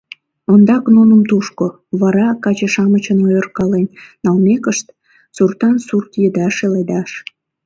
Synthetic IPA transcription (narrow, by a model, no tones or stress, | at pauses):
ond̪ɑknunəmt̪uʃko | βɑɾɑkɑt͡ɕəʃɑmət͡ɕənojərkɑlenːɑlmekəʃt̪ | surt̪ɑnsurt̪jəd̪ɑʃeled̪ɑʃ